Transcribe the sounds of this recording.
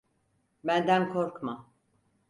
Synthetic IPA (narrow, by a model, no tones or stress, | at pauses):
bænd̪ænkʰoɾkma